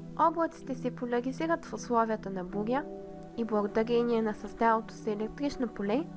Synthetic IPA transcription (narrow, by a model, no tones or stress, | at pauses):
ɔblˠət̪si̥t̪ɛsɛpolʲɐɾiziɾət̪fʊslˠɔviət̪ənɐbuɾʲjə | iblˠɐɡod̪ɐɾʲɛniɛnɐsɐzd̪avot̪o̥sɛlɛk̚t̪ɾit͡ʃnopolɛ